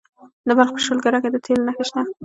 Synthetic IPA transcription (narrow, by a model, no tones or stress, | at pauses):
d̪əbalxpəʃolɡaɾaked̪ət̪ʰelnaxeʃt̪a